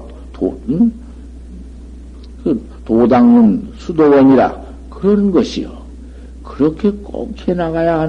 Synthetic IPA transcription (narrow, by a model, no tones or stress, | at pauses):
ton | kɯ | todaŋɯnsʰudobʌɲiɾa̰ | kɯɾʌnɡʌɕʰijo | kɯɾʌkʰe̞k͈ʌ̰kʰenaɣajaɦa